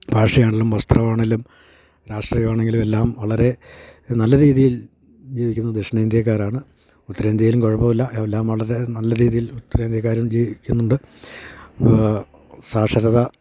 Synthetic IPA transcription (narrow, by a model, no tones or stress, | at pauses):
bʱaːʂɐjaːɳelumʋɐst̪rɐʋaːɳelum | ɾaːʂʈriːjɐʋaːɳe̞ŋɡilume̞lːaːmʋɐɭɐɾe̞nɐlːɐɾiːðijil | d͡ʑiːʋikʲːunːɐd̪eʂɐɳeːnd̪jɐk̬ːaːɾaːɳɨ | ut̪ːɐɾeːnd̪ʱjɐjlumko̞ɻɐpːɐʋilːɐelːaːmʋɐɭɐɾe̞nɐlːɐɾiːðijilut̪ːɾeːnd̪ʱjɐk̬ːaːɾumd͡ʑiːʋikʲːunːuɳɖɨ | saːʂɐɾɐðɐ